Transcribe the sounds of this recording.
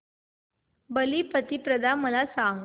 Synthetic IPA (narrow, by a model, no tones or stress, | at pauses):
bəliːpət̪ipɾəd̪aməlasã